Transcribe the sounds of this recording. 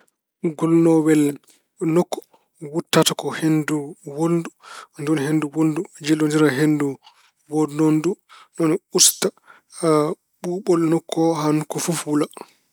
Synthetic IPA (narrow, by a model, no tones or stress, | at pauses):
ɡɔlnɔwɛl | nɔkːɔ̥ | wutːatakɔhenduwoldundunhenduwoldud͡ʒɛlːondiɾaɦendu | wonondunɔnusta | ɓuːɓɔlnɔkʰːɔɦanukːɔfufwula